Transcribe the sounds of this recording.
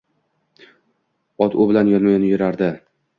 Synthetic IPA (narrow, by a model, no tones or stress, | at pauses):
ɒt̪ʊbɪlanjɒnmajnɪjʊɾaɾd̪ɪ